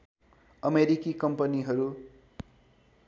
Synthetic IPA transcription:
ʌmeɾikikʌmpʌniɦʌɾu

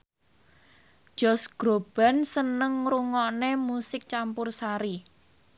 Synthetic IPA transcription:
ʒ̥ɔsɡ̥ɾob̥a̤nsənəŋruŋɔnemusɪk̚t͡ʃampʊrsaɾi

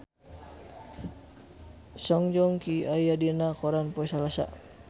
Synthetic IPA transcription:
sɔŋd͡ʒɔŋkiajadinakɔɾanpɔisalasa̰

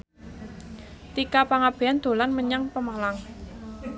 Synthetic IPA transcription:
t̪ikapaŋab̥e̤and̪̥o̤lanməɲaŋpəmalaŋ

